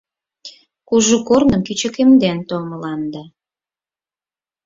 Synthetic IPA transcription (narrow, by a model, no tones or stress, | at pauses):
kuʒukornəmkyt͡ɕə̆kemd̪ent̪olməlɑnd̪ɑ